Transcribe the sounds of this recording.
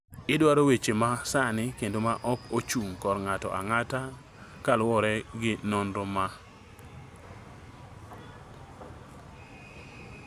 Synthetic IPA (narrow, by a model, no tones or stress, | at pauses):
ɪdwaɾowet͡ʃemasanɪkendomaʔɔkot͡ʃuŋkɔrŋatɔ̰ʔa̰ŋata | kalwɔɾɛɡɪnɔnɾoma